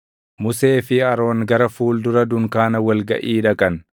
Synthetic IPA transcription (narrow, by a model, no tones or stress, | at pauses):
mʊse̞ːfɪɐɾo̞ːŋɡɐɾɐfuːld̪ʊɾɐd̪ʊŋkaːnɐwɐlɡɐ̰ʔiːᶑɐkʼɐn